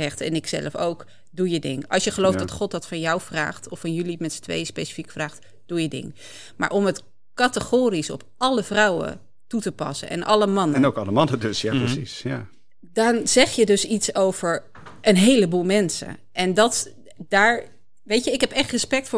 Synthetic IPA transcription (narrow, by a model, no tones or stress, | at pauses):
ɛχtɛ̰nɪksɛ̰ləfo̰wk | dujədɪ̰ŋɑ̰lˠsjəχəlowfdɑtχɔt̚dɑtfɑnjawvra̰ːχtɔfɑnjɵlimɛtsə̥tʋḛjspejsi̥fikfraːχt | d̥ujədɪ̰ŋ | ma̰ːɹʔɔmət | kɑtəχoːrisɔ̰pɑləvrɑwə̰ | tutəpɑ̰sə̰ʔɛ̰nʔɑləmɑnəɛnokɑləmɑnədøsjaprəsisja | dɑnz̥ɛχjədɵsitsowv̥əɹ | ʔənɦejləbuːlˠmɛnsə̰ | ʔɛndɑt | daːɹ | ʋejəɪkɦɛpɛχtrəspɛk̚tfʊː